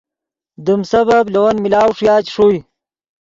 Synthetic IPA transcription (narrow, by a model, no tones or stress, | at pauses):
d̪umsɐbablɐwɐnmilaːwʂjaːt͡ɕʂuj